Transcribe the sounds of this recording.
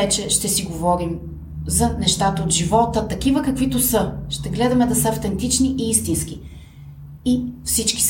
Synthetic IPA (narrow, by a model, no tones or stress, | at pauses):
ɛt͡ʃɛʃt̪ɛsiɡovɔɾim | zɐnɛʃt̪at̪əot̪ʒivɔt̪ət̪ɐkivəkɐkvit̪osɤʃt̪ɛɡlɛd̪ɐmɛd̪ɐsəɐft̪ɛnt̪it͡ʃniʔiist̪insk̟i | ifsit͡ʃki̥s